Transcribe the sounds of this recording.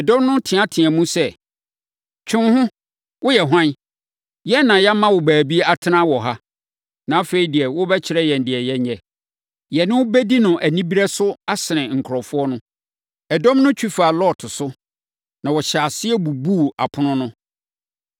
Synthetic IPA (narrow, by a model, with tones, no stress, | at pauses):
ɛ˨dɔ̃˦mnʊ̃˦tʰɪ̃˨ã˦tʰɪ̃˨æ̃˨mũ˦sɛ˦˨ | t͡ɕʰᶣɪ̃˦nhʊ̃˦ | wʊ˦jɛ˨ɦʷã˦n˦ | jɛ˦nã˨jɛ˦mã˦wɔ˨bæː˨bi˦a˦tʰɪ˦nã˦wɔ˨ɦa˦ | nã˨a˦fe˨i˨di˨ɛ˨wʊ˦bɛ˦t͡ɕʰɪ˨˦ɾɛ˦jɛ˨n̩˨dɪ˨ɛ˨jɛ˦ɲɛ˨ | jɛ˨nɪ̃˦wʊ˦bɛ˦di˦nʊ̃˨ʔæ˨nĩ˦bi˦ɾɛ˦sʊ˦a˦sɪ˨nɪ̃˨ŋ̩˨kʰɾɔ˨fʊ˦ɔ˦nʊ̃˦ | ɛ˨dɔ̃˦mnʊ̃˦t͡ɕʰᶣu˦fa˨lɔ˦˨tʰʊ˨sʊ˦ | nã˨wɔ˨ɕa˨sɪ˦ɛ˦bu˨bu˦˨a˨pʰʊ̃˦nʊ̃˦nʊ̃˦